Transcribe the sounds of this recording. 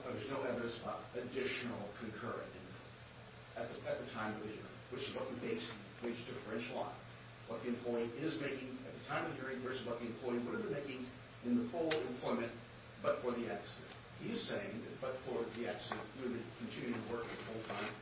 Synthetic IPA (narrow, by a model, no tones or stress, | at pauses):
bʌə˞ðə˞znoʊɛvɨɾɨ̃nsəbaʊɾɨdɪʃn̩l̩ˠkʰɨ̃nkʰɜ˞ɨ̰̃nɪ̃n | ɨt̪̚ðɨɨt̪̚ðɨtʰãɪ̃mʌvðɨhɪ̰ɹɪ̰̃ŋwɨt͡ʃɨzwoʊtɨbeɪs | weɪd͡ʒtʰɨfɹɛ̃nt͡ʃla̰ɪ | wʌt̪̚ðiɨ̃mpʰl̥ɔɪiʔɪzmeɪkɪ̃ŋɨt̪̚ðɨtʰãɪ̃mʌvðɨhɪɹɪ̃ŋwə˞zəbaʊt̪̚ðiɨ̃mpʰl̥ɔɪiwʊɾɨvbɨ̃nmeɪkɪ̃ŋ | ɨ̃nðəfʊlˠɨ̃mpʰl̥ɔ̃ɪ̃mɨ̃n | b̥ʌtfə˞ðiæksɨɾɨ̰̃nt̚ | hiɨz̥seɪɪ̃ŋðɨt̚b̥ʌtfə˞ðiæksɨɾɨ̰̃njɨɨd̚bɨ̃nkʰn̩tʰɪ̃njɪʉ̃ŋtʰəwɜ˞kɨ̃nðəfoʊlˠtʰãɪ̃m